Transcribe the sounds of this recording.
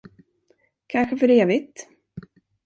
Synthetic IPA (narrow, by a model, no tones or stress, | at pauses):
kʰanɧəfœɾeːvɪt̪